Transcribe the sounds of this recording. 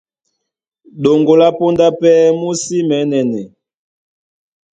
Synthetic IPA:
ɗo˨ŋɡo˨la˦po˦nda˦pɛ˦mu˦si˦mɛ˨˦nɛ˨nɛ˨

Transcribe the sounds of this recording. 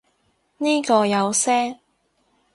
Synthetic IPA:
niː˥kɔː˧jɐ˨˧wsɛː˥ŋ

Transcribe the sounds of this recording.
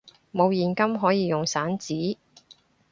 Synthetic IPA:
mo˨˧wjiː˨˩nkɐ˥mɦɔː˨˥jiː˨˧jʊ˨ŋsaː˨˥nt͡siː˨˥

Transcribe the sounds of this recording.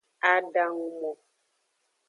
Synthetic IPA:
a˦da˦ŋu˦mɔ˨

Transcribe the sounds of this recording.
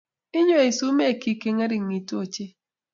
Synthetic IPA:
i˦ɲo˦e˨su˦me˦˨ki˨˦ke˨ŋe˦ɾi˦˨ŋi˨tu˦o˦˨t͡ʃe˦

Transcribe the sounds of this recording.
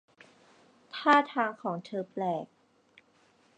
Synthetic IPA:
t̪ʰaː˥˩t̪ʰaː˧ŋkʰɔː˩˦ŋt̪ʰɤː˧plɛː˨˩k̚

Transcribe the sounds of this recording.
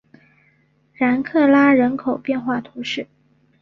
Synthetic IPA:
ɻa˧˥nkʰɤ˥˩la˥ɻə˧˥nkʰo˨˩ʊpjɛ˥˧nxwa˥˩t̪ʰu˧˥ʂɻ̩˥˩

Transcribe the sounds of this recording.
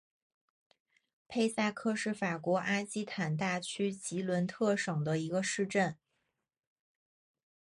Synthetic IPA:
pʰe˥˧ɪsa˥˧kʰɤ˥˧ʂɻ̩˥˩fa˨˩kwɔ˧˥ʔa˥ɕi˥t̪ʰa˨˩nt̪̬a˥˩t͡ɕʰy˥t͡ɕi˧˥lwə˧˥nt̪ʰɤ˥˩ʂɤ˨˩ŋd̪ə˦i˧˥ɡə˧ʂɻ̩˥˧ʈ͡ʂə˥˩n

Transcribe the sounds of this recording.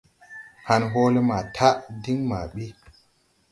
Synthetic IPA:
ha˨nɦo˦le˦ma˨tʰa˦ʔdi˦ŋma˨ɓi˦

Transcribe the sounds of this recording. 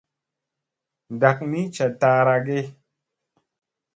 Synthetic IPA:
n˨da˨k̚ni˦t͡ʃa˨ta˨˦ɾa˧ɡe˦

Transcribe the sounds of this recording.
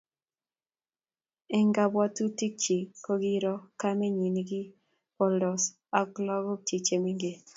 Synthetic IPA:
ɛ˦ŋɡa˦bɔ˦tu˦ti˦k̚t͡ʃi˨ko˦ɡi˦ɾɔ˦ka˦mɛ˦ɲi˨nɡi˦ | pɔ˨ldɔ˨s | a˨ɡlɔ˦ɡɔ˦tʰi˨t͡ʃe˨mi˦ŋɡe˨

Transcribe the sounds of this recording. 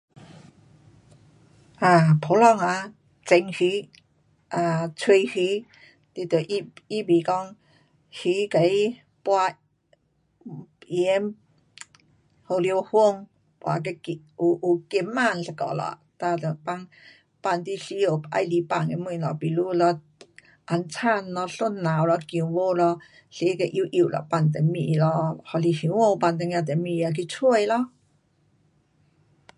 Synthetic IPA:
ʔa˧˩pʰo˨˦lɔ˧˨ŋa˧˦ | t͡se˧ŋhi˧˦ | ʔa˧t͡sʰwe˧hi˧˦ | t̪i˧t̪ə˨ʔi˦bi˨kɔ˦ŋ | hi˧˦ka˨i˦ | pwa˧ | i˨˧e˧˦m | ho˧ljo˧hu˥˧ŋ | pwa˧k̬e˧ki˧ | u˨ʔu˨ke˧mːa˧˨nɬə˧kɔ̰˧˨lɔ̰˨a̰˨t̪a˧t̪ə˨pa˧ŋ | pa˧˨nt̪i˧ɬi˧˦o˨pʔa̰˧jli˧˦pa˧˨ŋe˧˦mu˧˨nɔ˨pi˨lu˦lɔ˧ | ʔa˨˧nt͡sʰa˥˧˨nːɔ˧ɬu˦˥˨nːa˨wlɔ˧kju˧˨ŋwo˧˦lɔ˧ | ɬe˧˦ke˧˨ʔju˧˦ʔi˧˨ʔlʔɔ̰˨pa˧nt̪e˨mḭ˧ʔlɔ˧hɔ˧˨li˧hi˧˨˦wo˧˨˧pa˧˨nt̪ə˧ŋjã˧t̪e˨mi˧a˧k̬i˧t͡sʰu˧ə˨jlɔ˧˥

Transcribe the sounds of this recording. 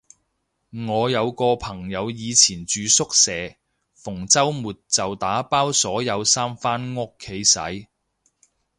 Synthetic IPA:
ŋɔː˨˧jɐ˨˧wkɔː˧pʰɐ˨˩ŋjɐ˨˧wjiː˨˧t͡sʰiː˨˩nt͡ʃyː˨˧sʊ˥k̚sɛː˨˧ | fʊ˨˩ŋt͡sɐ˥wmuː˨t̚t͡sɐ˨wt̪aː˨˥paː˥wsɔː˨˥jɐ˨˧wsaː˥mfaː˥nŋʊ˥kʰːe˨˥jsɐ̰˨˥j

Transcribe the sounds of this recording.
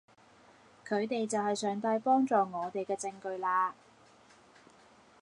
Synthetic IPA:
kʰɵ˨˧ɥt̪e˨jt͡sɐ˨whɐ˨jsœː˨ŋt̪ɐ˧jpɔː˥ŋt͡sɔː˨ŋɔː˨˧t̪e˨jkɛː˧t͡sɪ˧ŋkɵ˧ɥlaː˧

